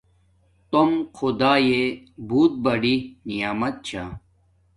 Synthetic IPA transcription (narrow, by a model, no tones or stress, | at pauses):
t̪omxʰud̪aːjebuːt̪̚bɐɖinijaːmɐt̪̚t͡ɕʰa̰